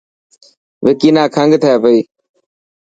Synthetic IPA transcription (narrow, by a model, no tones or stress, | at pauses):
ʋɪkiːnãːkʰəŋɡt̪ʰəaːpəiː